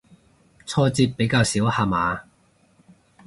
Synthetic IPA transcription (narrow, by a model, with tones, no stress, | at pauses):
t͡sʰɔː˧t͡siː˧p̚pːe˨˥jkaː˧wsiː˨˥whaː˧maː˨˧